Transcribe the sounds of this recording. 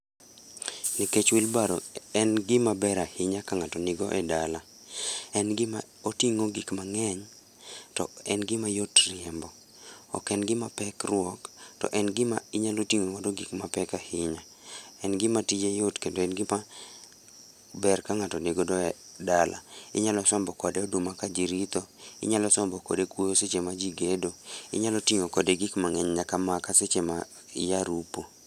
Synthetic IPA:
niket͡ʃwilbaɾo̰ɛnɡɪmabɛɾahɪɲakaŋatɔnɪɡɔʔɛdala | ɛnɡɪma | otiŋoɡikmaŋɛɲ | tɔ̰ɛnɡɪmajotrɪɛmbɔ | ɔ̰kɛnɡɪmapɛkrwɔktɔ̰ʔɛnɡɪmaiɲalotiŋowɔdɔɡikmapɛkahɪɲa | ɛnɡɪmatid͡ʒejotkendoɛnɡɪma | bɛrkaŋatɔneɡodɔdalʔa̰ɪ̰ɲalɔsɔmbɔkɔdɛɔdumakad͡ʒiɾit̪oɪ̰ɲalɔsɔmbɔko̰dekwojoset͡ʃemad͡ʒiɡedoɪ̰ɲalɔtiŋokɔdeɡikmaŋɛɲɲakamakaset͡ʃema | jaɾupo

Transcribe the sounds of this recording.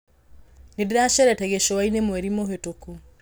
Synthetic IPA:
nedeɾaʃɛɾɛtɛɣeʃowainemwɛɾimoɦetoku

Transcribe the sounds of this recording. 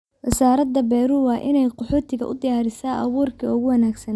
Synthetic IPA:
wɐsaːɾɐd̪ɐbɛjɾuːwɑːʔɪnɛjqɔħuːt̪ʰɪɣɐ̰ʔʊ̰d̪ɪjaːɾɪsaːʔɑ̰wuːrkʰiʊɣʊwɐnaːɡsɐn

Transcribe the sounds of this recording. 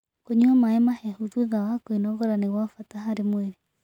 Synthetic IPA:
koɲuamaɛmahɛhutueɣawakoinɔɣɔɾaneɣwafataɦaɾemweɾe

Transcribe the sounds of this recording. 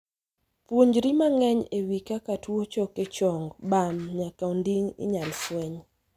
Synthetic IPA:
pwoɲd͡ʒɾimaŋɛɲewikakatʰuot͡ʃɔket͡ʃɔŋɡbamɲakaundiŋɪ̰ɲalswɛɲ

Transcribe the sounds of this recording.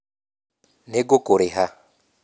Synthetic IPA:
neɡokʼoɾɪɦa

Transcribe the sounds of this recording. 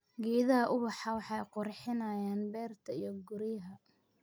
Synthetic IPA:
ɡiːðɐɦɐʔʊβɑħɑwɑħɑjqʊrħɪnɐːjaːnbɛːrt̪ʰɐijɞɡʊɾɪjɦɐ

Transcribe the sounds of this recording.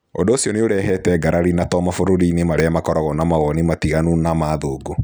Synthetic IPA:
odoːsiɔneoɾɛɦɛtɛɡaɾʔaɾinatɔmafoɾoɾiːnemaɾeamakɔɾɔɣɔnamaɣɔnimatiɣanunamaːðoːɡo

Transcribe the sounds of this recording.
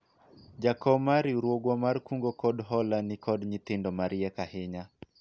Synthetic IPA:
d͡ʒakɔmaɾiuɾwoɡwɔmarkuŋɡɔkɔdɦɔlanikʰɔdɲit̪ɪndɔmaɾijɛkahɪɲa

